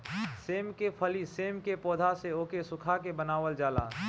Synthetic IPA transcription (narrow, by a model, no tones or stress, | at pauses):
seːmkepʰəliseːmkepɔːd̪ʱaseoːkesʊkʰakebənaːʋəld͡ʒaːla̰ː